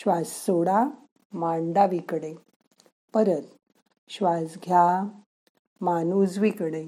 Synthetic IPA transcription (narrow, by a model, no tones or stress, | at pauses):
ɕʋassoɽa | maɳɖaʋikɽe | pəɾət̪ | ɕʋasɡʱja | manud͡zʋikɽe